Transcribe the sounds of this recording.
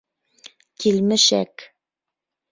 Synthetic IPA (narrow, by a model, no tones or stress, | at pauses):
kilmɘʃæ̰k